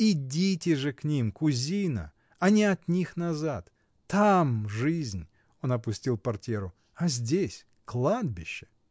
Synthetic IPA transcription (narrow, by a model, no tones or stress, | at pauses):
idʲitʲɪʐɨknʲimkʊzʲinə̰ | ɐnʲɪɐt̪nʲixnɐzat̪ː | amʐɨzʲnʲ | o̞nɐpʊsʲtʲilˠpɐrtʲeɾʊ | ɐzʲdʲesʲ | klˠad̪̚bʲɪɕːɪ̥